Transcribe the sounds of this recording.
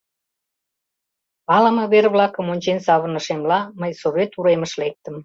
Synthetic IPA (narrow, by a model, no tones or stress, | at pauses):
ɑlɑmɤβerβlɑkəmonʲt͡ɕensɑβənəʃemlɑməjsoβet̪uɾeməʃlek̚t̪əm